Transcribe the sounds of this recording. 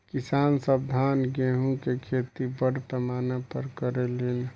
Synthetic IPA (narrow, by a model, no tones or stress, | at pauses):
kisaːnsəb̚d̪ʱaːnɡeɦũkekʰet̪ibəɽpəmaːnepəɾkəɾelen